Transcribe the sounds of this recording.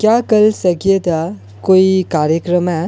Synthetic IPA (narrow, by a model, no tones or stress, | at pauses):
kjakɐlsɐkijed̪a | koːikaːɾjəkɾəmɛ